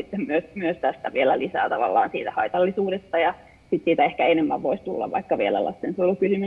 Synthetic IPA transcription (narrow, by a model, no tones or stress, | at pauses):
it̪ːemmyøsmyøst̪æst̪æʋielælisæ̰ːt̪ɑʋɑ̰lːɑ̰ːnsḭːt̪æhɑit̪ɑlːisuːdest̪ɑjɑ | sit̪siːt̪æehkæenemːæʋʋoist̪ulːɑ̰ʋʋɑ̰ikːɑʋielæ̰lɑ̰st̪ensolːukysymy